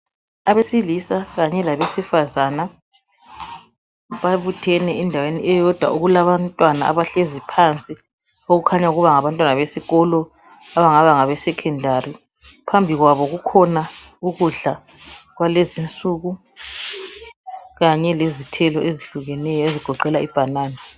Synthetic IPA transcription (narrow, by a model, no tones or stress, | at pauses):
aβesilisaɣaɲɛlaβesifazaːna | βaβutʰɛnɛɛndʱaweniʔɛjɔd̥ʱwa̰ʔuɣulaβantʼwanaa̰βaɬezipʰant͡sʼi | oɣukʰaɲauɣuβaŋaβantʼwanaβesiɣɔlɔ | aβaŋaβaŋaβɛsɛkʰɛndʱari | pʰambʱiɣwaβɔɣukʰɔnauɣuɮa | ɣwalezint͡sʼuːɣu | ɣaɲɛlezitʰɛlɔʔeziɬuɣɛnɛjɔeziɡ̥ʱɔǃɛlaib̥ʱanaːna